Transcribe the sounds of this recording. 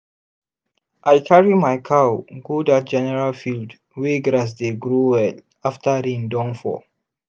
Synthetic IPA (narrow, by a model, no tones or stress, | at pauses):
ʔajkʰaɹimajkʰawɡudat̚d͡ʒɛnɛɹalfild | weɡɾas̬deɡɹuwɛl | aftaɾĩndɔ̃nfɔ̰